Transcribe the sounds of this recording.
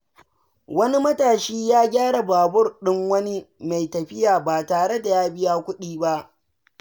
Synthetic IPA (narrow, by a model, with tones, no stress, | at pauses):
wɐ˦ni˦mɐ˦taː˨ʃiː˦jaː˦ɡʲaː˦ɽa˨baː˨bʊ˦rɗɪ˦ŋwɐ˦ni˦ma˨jtɐ˨ɸɪ˦jaː˨baː˨taː˨ɽe˦da˨jaː˦bɪ˦jaː˦kʷʊ˦ɗiː˦ba˦ʔ